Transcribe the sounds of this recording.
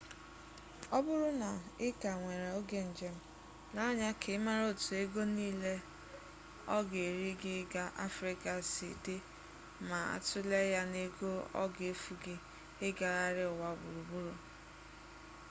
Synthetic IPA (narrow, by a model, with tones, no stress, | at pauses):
ɔ˦bʊ˦ɾʊ˦na˨ɪ˦ka˨ŋʷe˨ɾe˨o˦ɡe˦n̩˨d͡ʒe˦m̩˦ | la˦ɔ˦ɲa˦kʰɪ˨˦ma˦ɾo˦˨tu˨e˦ɡo˦niː˦le˦ | ɔ˦ɡe˨ɾi˦ɡɪ˦ɡa˦ʔa̰˦fɾi˦ka˨sḭ˨te˦ | ma˨a̰˨tʊ˦le˦ja˦ne˦ɡo˦ɔ̰˦ɡe˦fu˨ɡɪ˦ | ɪ˦ɡa˨ɣa˦ɾɪ˦ʊ˨wa˦˨bʊ̰˨ɾu˨bu˦ɾo˨